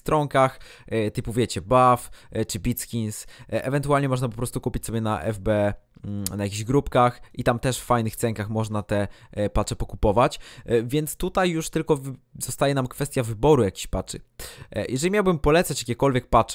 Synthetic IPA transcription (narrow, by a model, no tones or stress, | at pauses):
st̪ɾɔŋkax | t̪ɘpuvʲjɛt͡ɕɛbaft͡ʂɘbʲit̪skʲinsʔɛvɛnt̪ualɲɛmɔʐnap̬ɔpɾɔst̪ukupʲit͡ɕsɔbʲjɛnaʔɛ̰vbɛ | najakʲiʑɡɾupkaxʔit̪amt̪ɛʂffajnɘxt̪sɛŋkaxmɔʐnat̪ɛ | pat͡ʂɛpɔkupɔvat͡ɕvʲjɛnt̪st̪ut̪ajːuʂt̪ɘlkɔv | z̥ɔst̪ajɛnamkfɛst̪ʲjavɘbɔɾujakʲi̥ɕpat͡ʂɘ̰jʔɛʐɛlʲimʲjawbɘmpɔlɛt̪sat͡ɕjakʲekɔlvʲjɛk̚pat͡ʂ